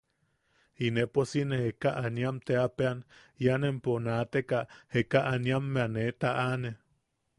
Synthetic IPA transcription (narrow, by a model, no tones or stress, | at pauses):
ineposinehekaʔanjamt̪eapean | janemponat̪ekahekaʔaniamːeanet̪aʔane